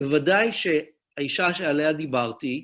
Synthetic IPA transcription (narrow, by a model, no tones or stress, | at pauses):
evadajʃe̞ | haiʃaʃealead̪ibaʁt̪i